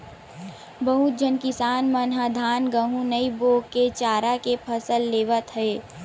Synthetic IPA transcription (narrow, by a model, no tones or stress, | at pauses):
bəɦut̪̚d͡ʒənkɪsaːnmənɦad̪ʱaːnɡəɦũnəiboːɡkːet͡ʃaːɾakepʰəsəlːeːʋət̪ɦɛː